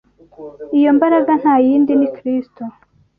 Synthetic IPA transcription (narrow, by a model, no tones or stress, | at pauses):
ijo̞mbaɾaɡan̥haːjiːndinikɾisto